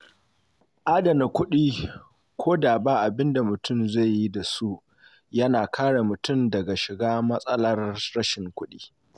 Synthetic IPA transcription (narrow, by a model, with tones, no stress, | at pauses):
ʔaː˦dɐ˨na˨kʷʊ˦ɗiː˦ | kʷʰoː˦daː˨baː˦ʔa˨bɪ˦nda˨mʊ˨tʰʊ˦˨mza˦˨jji˦da˨su˦ʔ | jɐ˦naː˨kʰaː˦ɽa˨mʊ˨tʊ˦˨mdɐ˨ɡa˨ʃɪ˨ɡaː˦mɐ˦sʼɐ˦lɐ˦rɽɐ˦ʃɪ˨ŋkʷʊ˦ɗiː˦